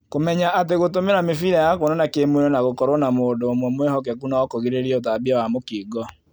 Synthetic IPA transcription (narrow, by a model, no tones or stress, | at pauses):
komɛɲaʔat̬eɣotomeɾamefiɾajakonɔnakemwenɔnaɣokɔɾɔnamoːdoːmwɔmwehɔkɛkunaɔkoɣiɾeɾiɛot̬abiawamokiːɡɔ